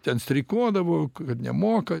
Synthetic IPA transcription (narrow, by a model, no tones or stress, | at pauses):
t̪ʲɛnsʲt̪ʲɾʲɪkuɔd̪ɐʋoːkɐt̪nʲɛ̰moːkɐ